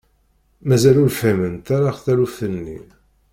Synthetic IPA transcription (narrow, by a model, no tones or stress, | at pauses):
mæzælʊɾfæmənt̪aɾaχθæɾuθənːḭ